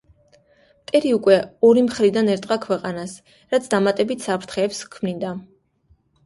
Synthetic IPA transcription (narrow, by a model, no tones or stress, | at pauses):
mt̪ʼɛɾiukʼwɛɔɾimχɾid̪anɛɾt̪ʼqʼakʰwɛqʼanas | ɾat̪sʰd̪amat̪ʼɛbit̪ʰsapʰɾt̪ʰχɛːpskʰmnind̪a